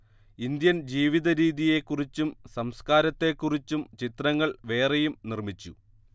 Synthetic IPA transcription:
ind̪jɐnd͡ʑiːʋiðɐɾiːðije̞kːurit͡ɕːumsɐmskaːɾɐt̪ːe̞kːurit͡ɕːumt͡ɕit̪rɐŋːɐɭʋe̞ːrejumnirmit͡ɕːṵ

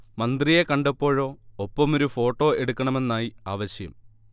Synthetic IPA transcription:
mɐnd̪rijekɐɳɖɐpːo̞ːɻo̞ːopːɐmo̞ɾufo̞ːʈːo̞ːe̞ɽukːɐɳɐme̞nːaːjiaːʋɐɕjɐ̰m

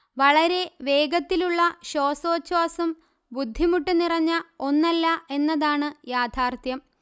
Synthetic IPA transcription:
ʋɐɭɐɾe̞ʋe̞ːɡɐt̪ːiluɭːɐɕo̞ːso̞ːt͡ɕːaːsɐm | bud̪ʱːimuʈːinirɐɲːɐo̞nːɐlːɐe̞nːɐðaːɳɨjaːd̪ʰʱaːrt̪jɐm

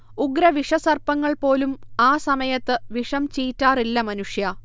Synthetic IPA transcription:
uɡɾɐʋiʂɐsɐrpɐŋːɐɭpo̞ːlumaːsɐmɐjɐt̪ːɨʋiʂɐmt͡ɕiːtːaːrilːɐmɐnuʂjɐ

